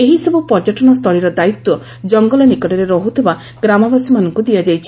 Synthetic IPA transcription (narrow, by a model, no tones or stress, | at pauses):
eɦisɔbupɔɾd͡ʒɔʈɔɽ̃ɔst̪ʰɔɭiɾɔd̪ait̪ːwɔ | d͡ʒɔŋɡɔlɔnikɔʈɔɾeɾɔɦut̪ʰeba | ɡ̥ɾamɔbasimanɔŋkud̪iad͡ʒajt͡ʃʰi̥